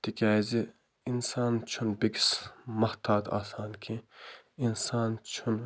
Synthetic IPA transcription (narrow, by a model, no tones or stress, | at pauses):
t̪ikʰʲæːzi | insaːnt͡ʃʰunbiɡʲsmɐht̪ʰaːd̪a̰ːsaːnkʰi | insaːnt͡ʃʰun